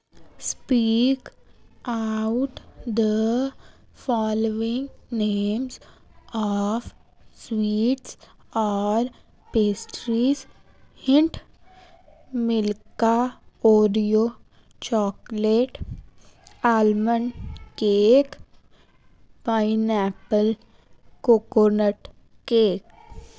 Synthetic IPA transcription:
spiːk | aʊʈd̪ə | fɔːloɪ̃ŋɡneːmzɔf | swiːʈsɔːɾ | peːsʈɾiz | hɪ̃ɳʈ | mɪlkaoːɖijoː | t͡ʃɔːkleːʈ | aːlmənkeːk | paɪnɛːpəl | koːkonəʈ | keːk

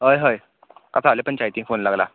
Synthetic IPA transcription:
ɦəjɦəj | kasalepənt͡ɕajt̪ifonlaɡla

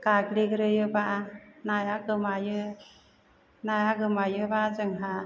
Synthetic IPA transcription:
kakɾiɡɯɾɯjɯbaʔnajaɡɯmajɯ | najaɡɯmajɯbazɯŋɦa

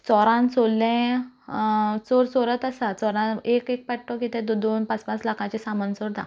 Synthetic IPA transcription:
t͡sɔɾãnsolːẽ | t͡soɾsoɾət̪əsat͡sɔɾãekek̚paʈʈɔkit̪ɛ̃d̪d̪onpat͡spãt͡slakʰãt͡ɕesamənsoɾd̪a̰

